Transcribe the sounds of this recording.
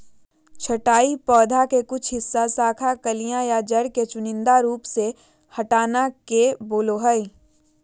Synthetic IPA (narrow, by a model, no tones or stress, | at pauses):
t͡ʃʰɐʈaːipɔːd̪ʱakekʊt͡ʃʰɦɪsːasaːkʰakɐlijãjad͡ʒɐɾket͡ʃʊnɪ̃nd̪aɾuːpse | hɐʈaːnakeboːloɦəi